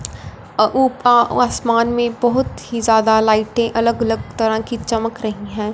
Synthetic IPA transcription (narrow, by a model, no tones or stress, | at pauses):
uːpaaːsmaːnmẽbɐɦʊt̪ɦizjaːd̪alaːɪʈẽʔɐləɡɐləɡ̚t̪ɐɾãkit͡ʃɐməkɾɐɦĩɦɛ̃ː